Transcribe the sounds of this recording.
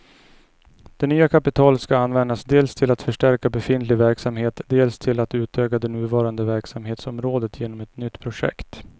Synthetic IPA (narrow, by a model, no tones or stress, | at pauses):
d̪̥ɛnyːakʰapɪt̪ʰɑːlət̪skaanːvɛnd̪asd̪eːlst̪ʰɪlat̪fœʂʈæɾkabɛfɪnt̪lɪɡvæɾksamheːt̪d̪eːlst̪ʰɪlat̪ʉ̟ːt̪ʰøːkad̪ɛnʉ̟ːvɑːɾand̪əvæɾksamheːt̪sɔmɾoːd̪ət̪ʰjeːnɔmɛt̪nʏt̪ːpʰɾʊʂɛ̰kt̪